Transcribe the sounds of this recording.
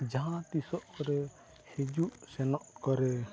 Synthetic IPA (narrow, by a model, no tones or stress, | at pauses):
d͡ʒaɦãt̪isɔʔkɔɾɛ | hid͡ʒuʔsɛnɔʔkɔɾɛ